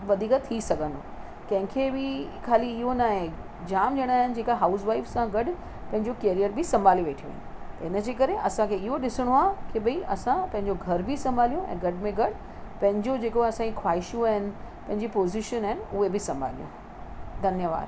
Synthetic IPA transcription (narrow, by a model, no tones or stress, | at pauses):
ʋɐd̪ʱiːkt̪ʰisɐɡʱə̃nd̪o | kɐ̃ɦɪ̃kʰebɪkʰaːliːɦonaɦe | d͡ʑaːmd͡ʑɐɽ̃aːɦɪnɪ̆d͡ʑeːkaɦaːʊsʋaːɪfsãɡɐɗ | pɐ̃ɦɪ̃ɲd͡ʑokeːɾijəɾbɪsɐ̃mbʱaːliʋeːʈʰijo̰ːɦɪnt̪ɐɦɪnə̆d͡ʑeːkɐɾeʔɐsãkʰeɪɦoɗɪsɪɽ̃oaːkiɓɐiʔɐsãpɐ̃ɦɪ̃ɲd͡ʑoɡʱɐɾbʱɪsɐ̃mbʱaːlijoʔɛ̰̃ːɡɐɽmẽɡɐɖ | pɐ̃ɦɪ̃ɲd͡ʑod͡ʑeːkoɐsãd͡ʑikʰwaːɦɪʃjũaːɦɪnɪ̆pɐ̃ɦɪ̃ɲd͡ʑipoːzɪʃənaːɦɪnɪ̆ʊɦebɪsɐ̃mbʱa̰ːlḭjo̰ | d̪ʱɐnjəʋa̰ːɾ